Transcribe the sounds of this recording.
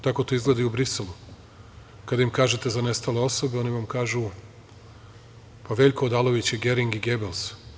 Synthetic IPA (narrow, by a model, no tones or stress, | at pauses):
t̪ako̞t̪oizɡle̞d̪aiubɾiselˠu | kad̪aimkaːʒet̪e̞zane̞st̪ale̞o̞so̞beo̞ːniʋamkaːʒu | paʋe̞ʎʲkoːd̪aːlˠo̞ʋit͡ɕjeɡe̞ɾiŋɡiɡe̞bels